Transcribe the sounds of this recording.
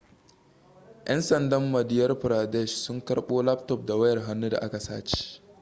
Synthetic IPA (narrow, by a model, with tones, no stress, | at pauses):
ʔɛ˦nsɐ˨ndɐ˦mːɐ˨dɪ˦jɐ˦rɸʊ˨ɾaː˨dɛ˦˨ʃsʊ˦ŋkɐ˦ɽɓoː˦la˦p̚tɔ˨p̚da˨wɐ˦jɐ˨rɦa˦nːu˦da̰˨ʔa˦ka˨sa̰ː˦t͡ʃe̥ː˨